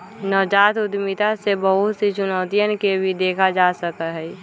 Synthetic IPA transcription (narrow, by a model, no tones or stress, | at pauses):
nɔːd͡ʒaːt̪ʊd̪mit̪asebəɦʊt̪set͡ʃʊnɔːt̪ijənkebʱid̪eːkʰad͡ʒaːsəkəɦɛ